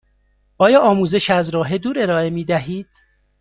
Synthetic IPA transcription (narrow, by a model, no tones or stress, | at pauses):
ʔɒːjɒːʔɒːmuːze̞ʃæzɾɒːɦed̪uːɾe̞ɾɒːe̞miːd̪æɦiːd̪̥